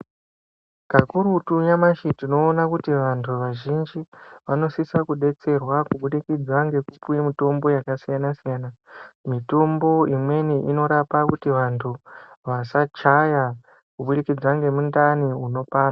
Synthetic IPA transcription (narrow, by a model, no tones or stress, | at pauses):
kakuɾutujamaʃitino̞ːnakutiʋantʰuʋaʒind͡ʒiʋano̞sisakuɗe̞t͡se̞rwakuɓuɗikid͡zwaŋɡe̞kupujimito̞mbo̞jakasijanasijaːnamito̞mbo̞imwe̞niʔino̞ɾapakutiʋantʰuʋasat͡ʃaja | kuɓuɗikid͡zwaŋɡe̞mundaniuno̞paːna